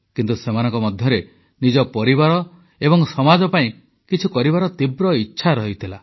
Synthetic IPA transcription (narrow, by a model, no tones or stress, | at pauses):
kint̪usemanɔŋkɔmɔd̪ʱjɔɾe | nid͡ʒɔpɔɾiβaɾɔ | ebɔŋsɔmad͡ʒɔpaĩ | kit͡ʃʰukɔɾibaɾɔt̪ibɾɔitːʃʰaɾɔɦit̪ʰila